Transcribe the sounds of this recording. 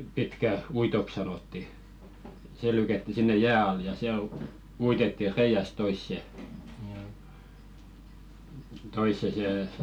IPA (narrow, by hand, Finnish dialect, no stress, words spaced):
pitkæ uitok sɑnotːi se lykætːi sinːe jæː ɑl jɑ siæl u uitetːi reij̆æst̆ toisːe toisːe seˑ